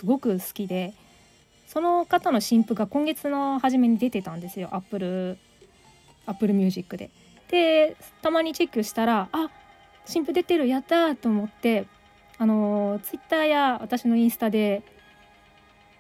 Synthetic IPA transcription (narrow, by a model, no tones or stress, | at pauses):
sɨɡo̞kɯ̟sɨ̥kʲid̪e̞ | so̞no̞kat̪ano̞ɕĩmpɯ̟ɡakõ̞ŋɡe̞t͡sɨno̞haʑime̞ɲ̟id̪e̞t̪e̞t̪ãnd̪e̞sɨjo̞ʔapːɯ̟ɾɯ̟ | apːɯ̟ɾɯ̟mʲɨ̟ːʑikːɯ̟d̪e̞̰ | d̪̥e̞t̪amaɲ̟it͡ɕe̞kːɯ̟ɕi̥t̪aɾaa | ɕĩmpɯ̟d̪e̞t̪e̞ɾɯ̟jat̪ːat̪o̞ːmo̞t̪ːe̞ | ano̞t͡sɨ̥it̪ːaːjaβat̪aɕino̞ĩɰ̃sɨ̥t̪ad̪e̞